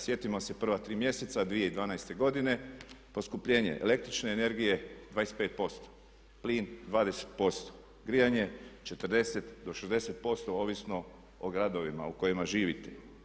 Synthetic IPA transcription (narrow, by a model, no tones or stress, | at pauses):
sje̞t̪imose̞pr̩ʋat̪ɾiːmje̞set̪sad̪ʋije̞id̪ʋaːnajst̪e̞ɡo̞d̪ine̞po̞skupʎe̞ːɲḛʔḛle̞kt̪ɾit͡ʃne̞ːne̞ɾɡije̞d̪ʋaːest̪pe̞ːt̪̚po̞st̪o̥ | pliːnd̪ʋaːd̪ese̥t̪̚po̞st̪o̥ | ɡɾijaɲe̞t͡ʃe̞t̪ərd̪e̞se̞t̪d̪o̞ʃezd̪e̞se̞t̪̚po̞st̪o̞o̞ːʋisno̞ | oɡɾad̪o̞ʋima̰uko̞jimaʒiːʋit̪e̞